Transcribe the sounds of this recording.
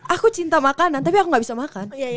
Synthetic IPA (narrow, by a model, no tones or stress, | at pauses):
akut͡ʃint̪amakanant̪apiakuŋɡaʔbisamakan